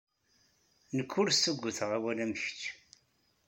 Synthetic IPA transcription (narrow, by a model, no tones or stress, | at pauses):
nəkʰːʊɾsːəɡʷːʊθəʁæwælæməçt͡ʃː